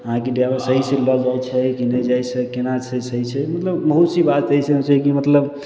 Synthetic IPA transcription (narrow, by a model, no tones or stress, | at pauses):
əɦãkeɖjabesəɦiselɔd͡ʒajt͡ʃʰɛkinəd͡ʒajsekenat͡ʃʰəsəɦit͡ʃʰɛmət̪ləbbəɦusibat̪ːəɦiset͡ʃɛkimət̪ləb